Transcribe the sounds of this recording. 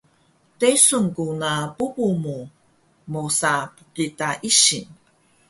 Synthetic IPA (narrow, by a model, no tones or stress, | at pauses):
tesuŋkunapubumu | mosapukitaʔiɕin